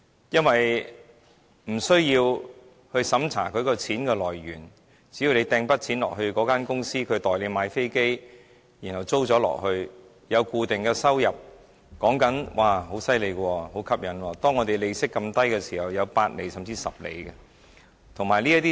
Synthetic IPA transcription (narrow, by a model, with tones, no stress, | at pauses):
jɐ˥nwɐ˨j | m̩˨˩sɵ˥ɥjiː˧w | hɵ˧ɥsɐ˨˥mt͡sʰa̰ː˨˩kʰɵ˨˧ɥkɔː˧t͡sʰiː˨˥nkɛː˧lɔː˨˩jɥyː˨˩n | t͡si˨˥ji˨˧wle˨˧jt̪ɛː˧ŋpɐ˥t̚t͡sʰiː˨˥nlɔ̰˨k̚hɵ˧ɥkɔː˨˥kaː˥nkʊ˥ŋsiː˥kʰɵ˨˧ɥt̪ɔː˨˩jle˨˧jmaː˨˧jfe˥jke˥j | jiː˨˩nhɐ˨˩wt͡so˥wt͡sɔː˨˥lɔ̰ː˨˩k̚hɵ˧ɥ | jɐ˨˧wkuː˧t̪ɪ˨ŋkɛː˧sɐ˥wjɐ˨p̚ | kɔː˨˥ŋkɐ˨˥nwʔaː˨ɦo˨˥wsɐ˥jle˨˧jkwɔː˧ho˨˥wkʰɐ˥p̚jɐ˨nwɔː˧t̪ɔː˥ŋɔː˨˧t̪e˨jle˨˧jsɪ˥kːɐ˧mt̪ɐ˥jkɛː˧siː˨˩hɐ˨wjɐ˨˧wpaː˧t̚le˨jsɐ˨mt͡siː˧sɐ˨p̚lḛ˨˧jɡɛ˧ | t̪ʰʊ˨˩ŋmaː˨˩jli˥ɐ˥t̪iː˥